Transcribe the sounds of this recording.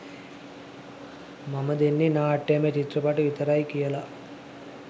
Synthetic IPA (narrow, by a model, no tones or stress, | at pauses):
mɐmɐd̪inːinaːɐʈːeːmeːt͡ʃit̪ɾɐpaːʈuʋit̪ɐɾaːjkijɐlɐ